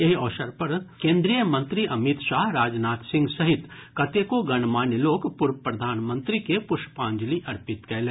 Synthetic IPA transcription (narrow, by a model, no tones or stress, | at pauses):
eɦɔːʃəɾpɐɾkẽːnd̪ɾijəmɐ̃nt̪ɾiʔɐmɪt̪ʃaːɦɾaːd͡ʒnaːt̪sɪ̃ŋɡsɐɦɪt̪kɐt̪eːkoɡɐñmaːnjloːkpʊɾpɾɐd̪ʱaːnmə̃nt̪ɾikepʊɾʃpãːɲd͡ʒliʔɐɾpɪt̪kɛːle